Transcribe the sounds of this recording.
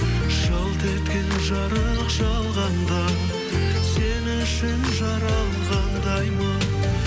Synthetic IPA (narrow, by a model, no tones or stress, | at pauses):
ʒ̥ɑlˠt̪ʰet̪kʲenʒɑɾə | qʒɑlˠʁɑnd̪ɑ | senɪʃɪnʒɑɾɑlˠɴʁɑnd̪ɑjmɑ